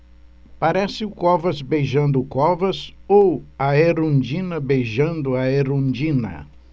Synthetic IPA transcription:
paɾɛsɪʊkɔvɐzbejʒɐ̃nd̪ʊkɔvɐsowɐeɾõnd͡ʒĩnɐbejʒɐ̃nd̪ʊɐeɾõd͡ʒĩnɐ̰

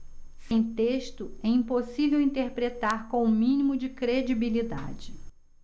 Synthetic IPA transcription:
sẽj̃t̪eʃt̪ʊɛĩposivewĩnt̪eɾpɾet̪aɾkõw̃ũmĩnimʊd͡ʒɪkɾed͡ʒibilid̪a̰d͡ʒɪ

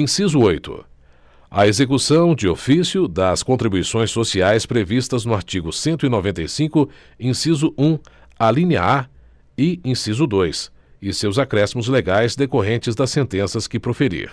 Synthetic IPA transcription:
ẽsizʊojt̪ʊ̰ | ɐ̰ezekusɐ̃w̃d͡ʒɪofisjʊd̪ɐskõnt̪ɾibujsõj̃sːosiajspɾevist̪ɐznʊaɾt͡ʃiɡʊsẽnt̪ʊinovẽnt̪ɐjsĩkʊ | ẽsizʊʔũ | alĩniɐ̰a | ɪĩsizʊd̪ojs | ɪsewzakɾɛsimʊzleɡajzd̪ekoɦẽnt͡ʃɪzd̪ɐsːẽnt̪ẽsɐskɪpɾofeɾḭɾ

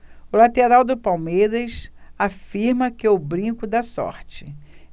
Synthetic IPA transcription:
ʊlat̪eɾawd̪ʊpawmejɾɐsafiɾmɐkɪewbɾĩkʊd̪ɐsɔ̰ɾt͡ʃɪ

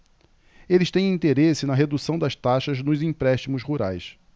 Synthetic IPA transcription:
elɪʃt̪ẽj̃ĩnt̪eɾesɪnɐɦed̪usɐ̃w̃d̪ɐʃt̪aʃɐznʊzĩpɾɛʃt͡ʃimʊzhuɾa̰js

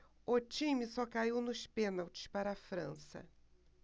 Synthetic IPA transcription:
ot͡ʃĩmisɔkaiwnʊʃpẽnawt͡ʃɪ̥spaɾɐafɾɐ̃sɐ̰

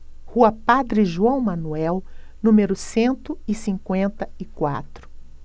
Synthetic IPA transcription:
huɐpad̪ɾɪʒuɐ̃w̃mɐnuɛwnũmeɾʊsẽnt̪ʊɪsĩŋkwẽnt̪ɐɪkwa̰t̪ɾʊ̥

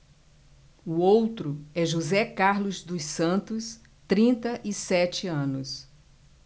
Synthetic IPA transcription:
uowt̪ɾʊɛʒuzɛkaɾlʊzd̪ʊssɐ̃nt̪ʊs | t̪ɾĩnt̪ɐʔɪsɛt͡ʃɪɐ̃nʊs

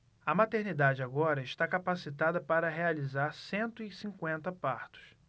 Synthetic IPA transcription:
ɐmat̪eɾnid̪ad͡ʒɪaɡɔɾɐɪʃt̪akapasit̪ad̪ɐpaɾɐɦealizaɾsẽnt̪ʊɪsĩkwẽnt̪ɐpaɾt̪ʊ̥s

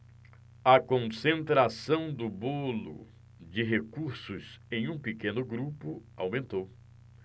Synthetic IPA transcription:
ɐkõsẽnt̪ɾasɐ̃w̃d̪ʊbolʊ̰ | d͡ʒɪɦekuɾsʊzẽj̃ũpekẽnʊɡɾupʊawmẽnt̪ow

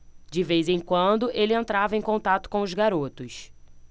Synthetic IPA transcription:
d͡ʒɪvejzẽj̃kwɐ̃nd̪ʊʔelɪẽnt̪ɾavɐẽj̃kõnt̪at̪ʊ̥kõw̃ʊzɡaɾot̪ʊs

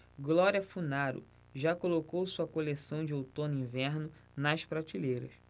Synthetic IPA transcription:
ɡlɔɾiɐfunaɾʊ̰ | ʒakolokowsuɐkolesɐ̃w̃d͡ʒɪowt̪õnʊĩvɛɾnʊ | nɐʃpɾat͡ʃilejɾɐs

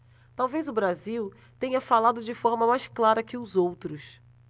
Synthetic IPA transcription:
t̪awvejzʊbɾaziw | t̪ẽɲɐfalad̪ʊd͡ʒɪfɔɾmɐmajsklaɾɐkɪʊzowt̪ɾʊs

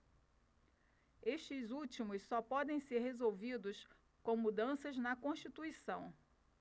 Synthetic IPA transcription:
eʃt͡ʃɪzut͡ʃimʊssɔpɔd̪ẽj̃seɾɦezowvid̪ʊs | kõw̃mud̪ɐ̃sɐznɐkõʃt͡ʃit̪uisɐ̃w̃

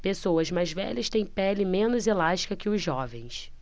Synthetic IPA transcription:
pesowɐzmajzvɛ̰ʎɐst̪ẽj̃pɛlɪmẽnʊzelaʃt͡ʃi̥kɐkɪʊzʒːɔvẽj̃s

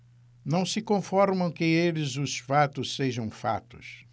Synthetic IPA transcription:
nɐ̃w̃sɪkõfɔɾmɐ̃w̃kɪelɪzʊsfat̪ʊsseʒɐ̃w̃fa̰t̪ʊ̥s

